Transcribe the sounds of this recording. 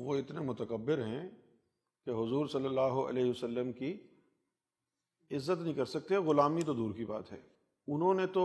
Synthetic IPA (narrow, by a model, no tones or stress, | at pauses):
ʋoɪt̪nemʊt̪əkəbːɪɾɦɛ̃ | keɦʊzuːɾsɐlːəlːaːɦoʔɐ̰lɛːɦiɐsəlːəmki | ɪzːət̪nɐĩkɐɾsɐk̚t̪eɛɣʊlaːmit̪̬od̪uːɾkiba̰ːt̪ɦɛ̰ː | ʊnɦõnet̪o